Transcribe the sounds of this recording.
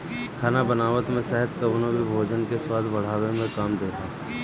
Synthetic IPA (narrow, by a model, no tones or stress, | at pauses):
kʰaːnabənaːʋət̪mẽsɛɦət̪kəbnobʱibʱoːd͡ʒənkeswaːd̪ʱbɐɽ̤aːʋẽmẽkaːmd̪eːɾəɦa